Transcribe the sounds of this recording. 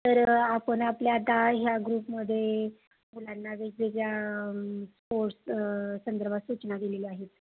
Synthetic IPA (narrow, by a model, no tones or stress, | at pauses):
t̪əɾapənapljat̪aɦjaɡɾuːpməd̪ʱːje | mulanːaʋeɡ̚d͡zekja | spoɾʈssənd̪əɾbʱasut͡ɕnad̪ileliaɦet̪